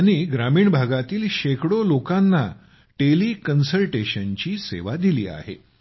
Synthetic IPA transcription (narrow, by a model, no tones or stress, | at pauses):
aɽ̃iɡɾamiːɳbʱaɡat̪iːlɕekɽolokanːa | ʈeliːkənsəlʈeɕənt͡ɕiːsḛʋad̪ilḭːa̰ɦḛ